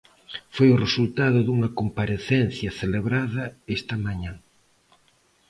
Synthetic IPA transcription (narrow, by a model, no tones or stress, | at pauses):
fojʊresult̪aðʊðuŋɐkompaɾeθɛnθjɐθeleβɾaðɐest̪ɐmaɲãŋ